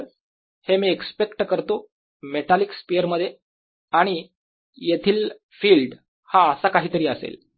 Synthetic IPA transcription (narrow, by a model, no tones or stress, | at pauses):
ɾ | hemiːekspekʈkəɾt̪o | met̪alikspijəɾməd̪ʱːje | aɽ̃i | jet̪ʰiːl | fiːlɖ | haəsakaɦiːt̪əɾiːəsḛl